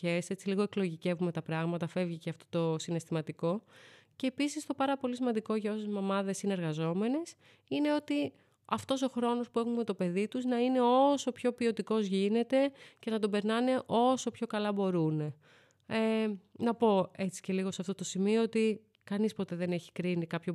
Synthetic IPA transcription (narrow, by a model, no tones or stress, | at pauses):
ese̞t͡siliɣo̞eklo̞ʝice̞vume̞t̪ɐpɾɐɣmɐt̪ɐfe̞vʝiceɐft̪o̞t̪o̞sine̞st̪imɐt̪iko̞ce̞ːpisist̪o̞pɐɾɐpo̞lisimɐnd̪iko̞ʝɐo̞sezmɐmɐðe̞sineɾɣɐzo̞me̞ne̞s | ine̞o̞t̪i | ɐft̪o̞so̞xɾo̞no̞spue̞xumet̪o̞pe̞ðit̪uznɐine̞o̞so̞pço̞pio̞t̪iko̞zʝine̞t̪e̞ce̞nɐt̪̬o̞be̞ɾnɐne̞ʔo̞so̞pço̞kɐlɐbo̞ɾune̞ | enɐpo̞e̞t͡si̥ce̞liɣo̞sɐft̪ot̪o̞simioot̪i | kɐnispo̞t̪e̞ðe̞ne̞çi̥kɾinikɐpço